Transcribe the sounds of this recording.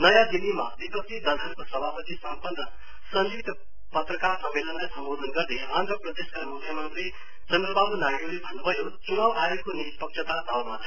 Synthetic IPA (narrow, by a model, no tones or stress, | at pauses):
nʌjad̪inima̰bipʌk̚t̪id̪ʌnʱʌnkosʌbʱapʌt̪isʌmpʌnːʌ | sʌnd͡zik̚t̪ʌ | pʌt̪rʌkarsʌmːelʌnlajsʌmbod̪ʱʌnɡʌrd̪eand̪ʌprʌd̪eskamukʰːjʌmʌnt̪ri | d͡zʌnːʌbabunajɾilebʱʌnubʱʌjot͡sunawʔaekonispʌk̚t͡ʃʰʌt̪ad̪ʱawmat͡sʰʌ